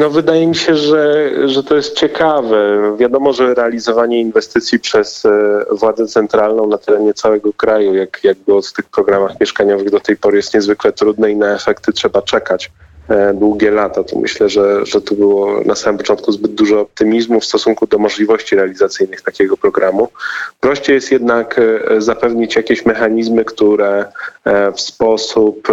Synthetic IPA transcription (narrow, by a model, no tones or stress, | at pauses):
nɔvɘd̪ajɛmʲiɕɛʐɛʐɛt̪ɔjɛst̪̚t͡ɕɛkavɛvʲjad̪ɔmɔʐɛɾɛalʲizɔvaɲɛinvɛst̪ɘt̪sʲjipʂɛzvwad̪zɛt̪sɛnt̪ɾalnɔ̃w̃nat̪ɛɾɛɲɛt̪sawɛɡɔkɾajujakjaɡ̚bwɔft̪ɘxpɾɔɡɾamaxmʲjɛʂkaɲɔvɘɣd̪ɔt̪ɛjpɔɾɘjɛst̪̚ɲɛzvɘklɛt̪ɾud̪nɛinaɛfɛkt̪ɘtʂɛbat͡ʂɛkat͡ɕ | d̪wuɡʲɛlat̪at̪ɔ̰mʔɘ̰ɕlɛʐɛʐɛt̪ɔbɘwɔnasamɘmpɔ̥t͡ʂɔ̃nt̪̚kuzbɘd̪̚d̪ːuʐɔːp̚t̪ɘmʲizmufst̪ɔsuŋkud̪ɔmɔʐlʲivɔɕt͡ɕiɾɛalʲizat̪sɘjnɘxt̪akʲɛɡɔpɾɔɡɾʔamupɾɔɕt͡ɕɛjɛst̪jɛd̪nakzapɛvɲit͡ɕjakʲeɕmɛxaɲizmɘkt̪uɾɛ | fspɔsup